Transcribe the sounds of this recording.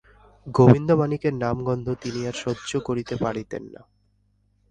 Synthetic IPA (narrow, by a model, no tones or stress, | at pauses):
ɡobind̪omanikeɾnamɡɔnd̪ʱot̪iniaɾʃɔdːd͡ʑokoɾit̪epaɽit̪ḛnːa̰